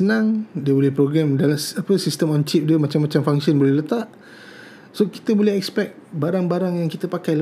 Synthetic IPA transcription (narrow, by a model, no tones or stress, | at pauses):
sənãŋdiəbolɛhpɾoɡɾɛmdalasapəsistəmɔnt͡ʃip̚diəmat͡ʃamːat͡ʃamfaŋsiənbolɛhlət̪aʔ | soki̥t̪əbolɛhɛkspɛk̚t̪̚baɾaŋbaɾaŋjaŋkit̪əpakajlə